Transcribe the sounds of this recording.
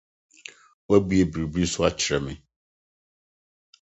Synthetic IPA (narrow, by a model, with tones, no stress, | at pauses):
wɛ˦bi˦e˨bi˨bi˦sʊ˦a˦t͡ɕʰɾɛ˨mɪ̃˨